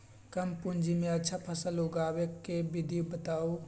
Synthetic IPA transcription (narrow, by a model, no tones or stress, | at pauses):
kɐmpʊ̃nd͡ʒimẽɐtːʃʰapʰɐsəlɦoːɡaːwekebɪd̪ʱijubət̪aːo